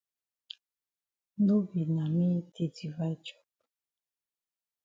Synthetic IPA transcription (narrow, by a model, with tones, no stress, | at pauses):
n˦do˦bi˨nã˨mĩ˦t̪ʰe˨di˨va˦d͡ʒɔ̥˨